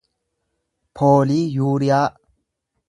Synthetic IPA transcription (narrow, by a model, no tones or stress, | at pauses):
pʰoːliːjuːɾɪjaː